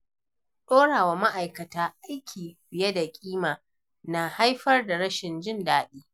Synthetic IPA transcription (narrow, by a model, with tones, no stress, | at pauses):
ɗoː˦ɽaː˨waː˨ma˦ʔa˨jkɐ˨taː˨ʔa˦jkʲʰiː˨bɪ˨jɛ˦da˨kʲʼiː˦maː˨ | na˨ha˦jɸɐ˦rda˨ɽɐ˦ʃɪ˨nd͡ʒɪ˦ndaː˦ɗiː˦